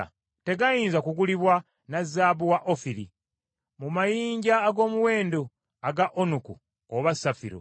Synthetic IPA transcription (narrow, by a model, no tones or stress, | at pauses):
te̞ɡajiːnzakuɡuliβwa | nazaːbuwaʔofiɾḭ | mumajiːɲɟaːɡo̞ːmuwe̞ːndo | aɡaʔonuku | oβasafḭɾo̰